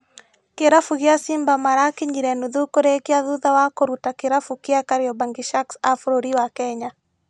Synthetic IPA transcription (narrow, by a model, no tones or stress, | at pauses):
keɾafuɡjasimbamaɾakiɲiɾɛnuðukoɾekɪaðuðawakoɾutakeɾafukɪakaɾjɔbaŋɡɪʃaksafɾoɾiwakɛɲa